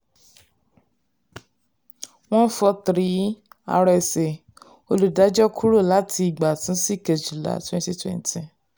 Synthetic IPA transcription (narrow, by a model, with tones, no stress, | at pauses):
w̃ɔ̃˦n̩˦fɔ˧tɾi˦a̰˧ɾɛ˧˨se˨ | o˧lu˨da˨˦d͡ʒɔ˦kʰu˦ɾo˦˨la˨˦tʰi˧i˨ɡ͡ba˨tũ˨˦si˦˨ke˨d͡ʒi˨la̰˨twɛ̃˦˧n˦ti˦twɛ̰̃˨n˦tĩ˨